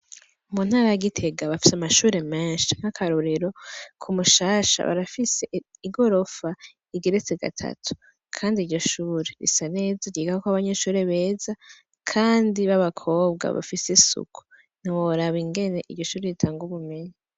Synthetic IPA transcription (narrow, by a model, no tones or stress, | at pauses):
umun̥haːɾajaɡitʰe̞ɡaβafi̥samaʃuːɾe̞meːnʃiŋ̥hakʰaɾuɾiɾo̞kʰumuʃaːʃa̰βa̰ɾafise̞iɡo̞ɾo̞fa | iɡeɾet͡seɡa̰tʰa̰tʰu̥ | kʰaːndiɾɟo̞ʃuːɾe̞ɾḭsane̞ːzaɾɟiɡakokoaβaɲe̞ːʃuːɾe̞βe̞ːza | kʰaːndiβaβakʰo̞ːbɡa̰βa̰fisesṵkʰu̥ | n̥iwoɾaβiŋɡe̞ne̞ʔiɾɟo̞ʃuːɾeɾitʰaːŋɡuβume̞ɲi